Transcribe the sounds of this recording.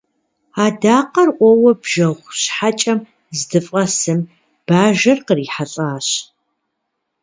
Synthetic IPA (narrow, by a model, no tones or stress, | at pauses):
aːdaːqɐrʔʷʼɔwɐbʒɐʁʷɕħat͡ʃʼɐm | zdɨfʼɐsɨm | b̥aːʒɐrqəriːħaɬʼaːɕ